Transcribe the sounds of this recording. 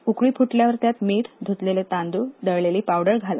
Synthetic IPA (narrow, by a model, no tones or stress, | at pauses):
ukɭiːpʰuʈljaʋəɾt̪jat̪miːʈʰd̪ʱut̪lelet̪and̪uːd̪əɭleliːpawɖəɾɡʱala̰